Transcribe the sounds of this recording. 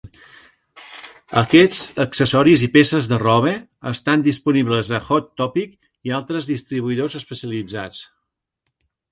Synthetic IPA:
ə̰kɛt͡səksəsɔɾizipesəzðərɔβeəst̪and̪ispuniβləzəxɔt̪ːɔpik | ialˠt̪ɾəzðist̪ɾiβ̞uiðozəspəsiəlid͡zat͡s

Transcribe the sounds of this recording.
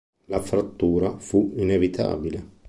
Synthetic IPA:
lafɾat̪ːuːɾafuinevit̪ʰa̰ːbile

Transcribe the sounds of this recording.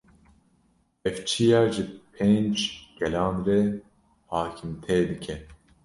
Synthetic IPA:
ɛft͡ʃʰijɑːʒɨpʰeːnd͡ʒɡ̥ɛlɑ̃ːnrɛ | hɑːkʰɨmt̪ʰɛd̪ɨkʰɛ

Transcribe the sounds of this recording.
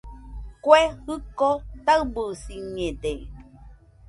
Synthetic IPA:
kwehɯkot̪abəsiɲẽde

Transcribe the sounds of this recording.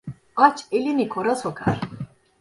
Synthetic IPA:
at͡ʃʰɛlinikʰɔɾasɔɡaɾ

